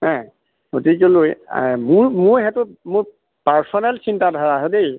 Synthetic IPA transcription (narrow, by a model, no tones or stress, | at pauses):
ɛ̃ | otikoloj̰muɹmʊɹɦɛtʊt̚mʊɹ | paɹsɔnɛlsintadʱɔɹaɦodej